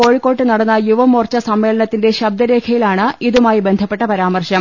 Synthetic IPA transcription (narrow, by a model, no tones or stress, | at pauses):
o̞ːɻikːo̞ːʈːɨnɐɽɐnːɐjuʋɐmːort͡ɕːɐsɐmːe̞ːɭɐnɐt̪ːinde̞ɕɐb̚d̪ɐɾe̞ːkʰɐjilaːɳɨiðumaːjibend̪ʱɐpːe̞ʈːɐpɐɾaːmɐrɕɐm